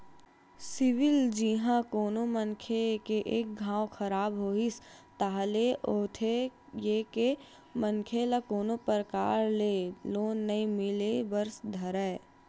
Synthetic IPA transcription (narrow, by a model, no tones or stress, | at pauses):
sɪʋɪld͡ʒiɦãkoːnomənkʰekeʔeːk̚ɡʱãːwkʰɐɾaːbɦoːɪst̪aːɦleʔoːt̪ʰejeke | mənkʰelakoːnopəɾəkaːɾleloːnːɐĩmɪlebɐɾsd̪ʱɐɾɛː